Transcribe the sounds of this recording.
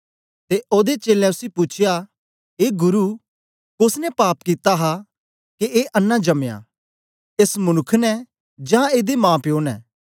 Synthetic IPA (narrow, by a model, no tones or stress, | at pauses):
t̪eʔoːd̪et͡ʃeːlɛ̃ʊsipʊt͡ʃʰeja | eːɡʊɾu | kʊsnɛpaːpkit̪aɦa | keʔeːʔɐnːãd͡ʒɐmja̰ː | eːsmʊnʊkʰːnɛ | d͡ʒãːeːd̪emãːpjoːnɛ̰ː